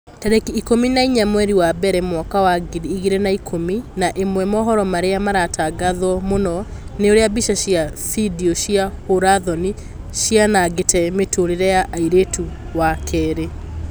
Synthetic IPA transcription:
tɛɾɛkiːkominaiɲamwɛɾiwabɛɾɛmwɔkawaɡɾiːɣiɾɛnaikʰominaʔemwɛmɔɦɔɾɔmaɾeamaɾataɡaðɔmonɔneoɾeabiʃaɕiafidiɔʃiahoɾaðɔni | ʃianaɡetɛmetoɾeɾɛjaʔaiɾetu | wakʰɛɾe

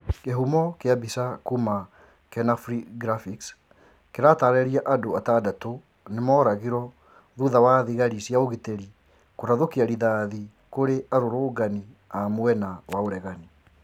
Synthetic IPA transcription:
keɦumɔkeabisakuma | kɛnafɾiɡɾafiks | keɾataɾɛɾiaʔadoatadato | nemɔːɾaɣiɾɔ | ðuðawaðiɣaɾisjaoɣiteɾi | koɾaðokiaɾiðaːði | koɾeʔaɾoɾoːɡani | amwɛnawaoɾɛɣani

